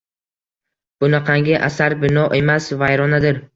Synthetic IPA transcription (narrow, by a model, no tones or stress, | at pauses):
b̥ʊnaqʰaŋɡʲɪʔasaɾbɪnɒʔe̞masvajɾɒnad̪ɪɾ